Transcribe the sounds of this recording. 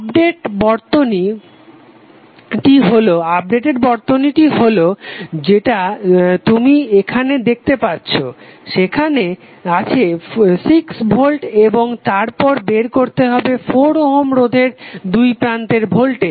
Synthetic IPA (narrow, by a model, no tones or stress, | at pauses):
abɖeʈbɔɾt̪oni | ʈiɦoloab̚ɖeʈeɾbɔɾt̪oniʈiɦolod͡ʑeʈat̪umiekʰaned̪ek̚ʰt̪epatːɕʰoʃekʰane | at͡ɕʰesiksbʱolʈeboŋt̪aɾpɔɾbeɾkoɾt̪eɦɔbefoɾoɦomɾod̪ʱeɾd̪ujpɾant̪eɾbʱolʈe